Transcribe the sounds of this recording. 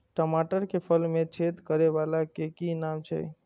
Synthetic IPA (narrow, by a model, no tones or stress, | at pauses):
ʈəmaʈəɾkepʰəlmet͡ʃʰet̪kəɾeʋalakekinamt͡ʃʰɛ̰